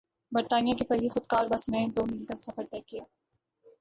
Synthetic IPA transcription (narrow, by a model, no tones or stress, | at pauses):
bəɾt̪aːnijakepɐɾʋixʊd̪kaːɾbɐsnɛ̃d̪oːmɪlkəɾsɐfəɾt̪ɛːkijaː